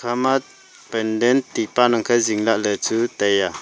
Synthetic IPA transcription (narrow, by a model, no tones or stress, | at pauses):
kʰama | pɛndɛnt̪ːipanaŋkʰəziŋlaʔlət͡sut̪ɛja